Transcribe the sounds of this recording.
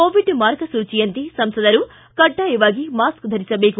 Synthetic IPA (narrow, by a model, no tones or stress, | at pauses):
oːʋiɖmaːɾkɐsuːt͡ʃijɐnt̪isɐmsɐd̪ɐɾu | kɐɖːaiʋaːɡimaːskd̪ʱɐɾisɐbeːku